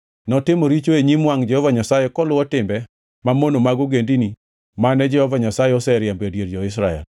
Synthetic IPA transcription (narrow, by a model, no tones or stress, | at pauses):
nɔtɪmoɾit͡ʃoeɲimwaŋd͡ʒɛhɔvaɲasajekɔlʊwɔtɪmbɛ | mamonomaɡoɡendini | manɛd͡ʒɛhɔvaɲasajɛɔsɛɾjambedjeɾd͡ʒɔɪs̬ɾaɛ̰l